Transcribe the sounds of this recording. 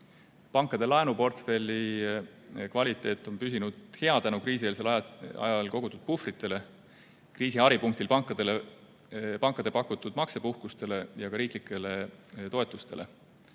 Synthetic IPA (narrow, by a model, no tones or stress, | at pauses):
pɑŋkːˑɑd̪e̞lɑenupo̞rt̪fe̞lʲi | kvɑlʲit̪ːˑe̞ːt̪ːˑo̞npysinud̪̥he̞ɑt̪ænukɾiːsieːlselɑ̰jɑlko̞ɡ̥ut̪ːˑud̪̥̚pufrit̪ːˑe̞le̞ | kriːsiɑɾipuŋkt̪ilpɑŋkːˑɑd̪̥ele | pɑŋkːˑɑd̪̥e̞pɑkːˑut̪ːˑud̪mɑkse̞puhkust̪e̞le̞jɑkɑɾiːklikːˑe̞le̞t̪o̞et̪ːˑust̪e̞lʔe̞̰